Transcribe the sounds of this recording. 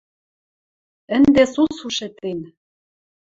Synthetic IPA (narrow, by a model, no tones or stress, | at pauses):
ɘ̆nd̪esusuʃet̪en